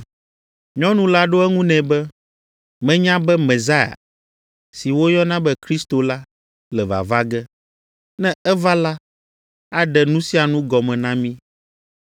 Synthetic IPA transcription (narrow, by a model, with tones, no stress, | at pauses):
ɲɔ̃˦nũ˨˦la˦ɖo˦ɛ˦ŋũ˦nɛ̃˨bɛ˦ | mɛ̃˦ɲã˦bɛ˦mɛ̃˨za˦ja̰˨ | si˨wo˦ɲɔ̃˦nã˦bɛ˦kɾi˦st̪o˨la˦ | lɛ˨va̰˨va˦ɡɛ˦ | nɛ̃˦ɛ˦va˦la˦ | a˦ɖɛ˨nũ˦si˦a˨nũ˦ɡɔ˨mɛ̃˨nã˦mĩ˦